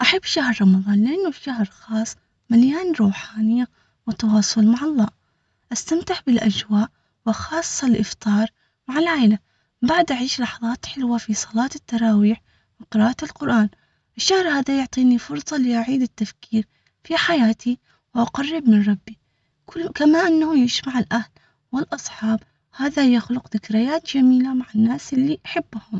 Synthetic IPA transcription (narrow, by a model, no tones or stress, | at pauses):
ʔaħabːʃahɾɾˤɑmɑðˤɑːnlɪʔanːʊʃahɾxɑːsˤː | maljaːnɾˤuːħaːnɪjːa | wɪt̪ːɑwɑːsˤʊlmaʕɑlˤːɑːʔ | ʔast̪amt̪ɪħbɪlʔad͡ʒwaːʔ | wɪxɑːsˤːɑlʔɪft̪ˤɑːɾˤ | maʕɪlʕaːʔɪla | baʕd̪ʔaʕiːʃlɑħɑðˤɑːt̪ħɪlwafisˤɑlɑːt̪ɪt̪ːɑɾˤɑːwiːħ | mɪqɨɾɑːʔt̪ɪlqʊɾʔaːn | ʔɪʃːahɾhaːðajʊʕt̪ˤiːnifʊɾsˤɑlɪʔaʕiːd̪ɪt̪ːafkiːɾ | fiħajaːt̪ʰi | wʔaqɑrˤːɪbmɪnɾˤɑbːi | kamaʔanːahujɪʃmaʕɪlʔahl | wɪlʔɑsˤħɑːb | haːðajaxlʊqðɪkɾɪjaːt̪d͡ʒamiːlamaʕanːaːsʔɪlːiʔaħɪbːhʊm